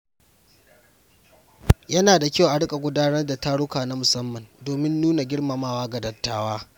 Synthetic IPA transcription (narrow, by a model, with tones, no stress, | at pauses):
jɐ˦naː˨da˨kʲa˦˨ʔa˨ɽʊ˦kʼa˨ɡʷʊ˦daː˦nɐ˦rda˨ta˦ɽʊ˦kaː˨na˦mʊ˨sɐ˦mːɐ˨ndoː˨mɪ˦nːuː˦na˨ɡʲɪ˦ɽma˨maː˨waː˦ɡɐ˨dɐ˨tːaː˦˨waː˦